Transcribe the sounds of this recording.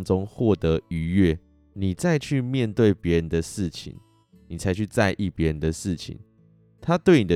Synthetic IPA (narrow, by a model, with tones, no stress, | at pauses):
ŋʈ͡ʂʊ˦ŋxwɔ˥˩t̪ɤ˨˦y˨˧˦ɥɛ˥˩ | ni˨˩t͡sa˥˧ɪt͡ɕʰy˥˨˧mjɛ˥˧nt̪we˥˩ɪpjɛ˧˦ɻə˨nd̪ə˨ʂɻ̩˥˩t͡ɕʰḭ˨˦ŋ | ni˨˩t͡sʰa˨˧˦ɪt͡ɕʰy˥˧t͡sa˥˧ɪʔi˥˩pjɛ˧˦ɻə˨˦nd̪ə˨ʂɻ̩˥˨˩t͡ɕʰḭ˨˦n | t̪ʰa˦t̪we˥˩ɪni˨˩d̪